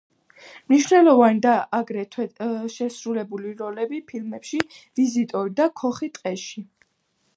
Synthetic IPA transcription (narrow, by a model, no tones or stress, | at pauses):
mniʃnɛlˠɔvanid̪aʔaɡɾɛt̪ʰɛʃɛsɾulɛbuliɾɔlɛbipʰilmɛpʃiv̥izit̪ʼɔɾid̪akʰɔχit̪ʼqʼɛʃi